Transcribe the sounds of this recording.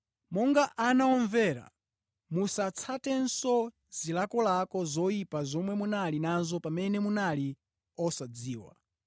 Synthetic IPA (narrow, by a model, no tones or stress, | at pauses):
mɔŋɡaʔanaɔɱvɛɾa̰ | musat͡sʰatɛnsɔ | z̥ilakɔlakɔzɔipazɔmwɛmunalinanzɔpamɛnɛmunali | ɔsad͡ziːwa̰